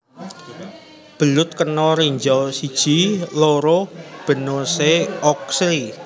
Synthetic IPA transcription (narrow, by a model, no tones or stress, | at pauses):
b̥ə̤lʊt̪̚kənɔɾiɲd͡ʒɔsid̥ʒ̥i̤loɾɔb̥ə̤noseɔksɾi